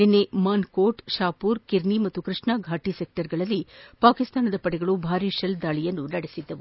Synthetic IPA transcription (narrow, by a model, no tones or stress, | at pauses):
ninːemaːnkoːʈʃaːpuːɾkiɾnimɐt̪ːukɾɨʂɳaɡʱaːʈisek̚ʈɐɾɡɐɭɐlːipaːkist̪aːnɐd̪ɐpɐɽɛɡɐɭubʱaːɾiʃɐld̪aːɭijɐnːunɐɽesid̪ːɐʋu